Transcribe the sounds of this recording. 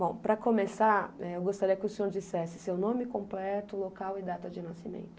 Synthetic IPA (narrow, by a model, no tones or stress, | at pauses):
bõw̃pɾɐkomesaɾɛewɡost̪aɾiɐkɪʊsẽɲoɾd͡ʒisɛsɪsewnõmɪkõmplɛt̪ʊlokawɪd̪at̪ɐd͡ʒɪnasimḛ̃nt̪ʊ̥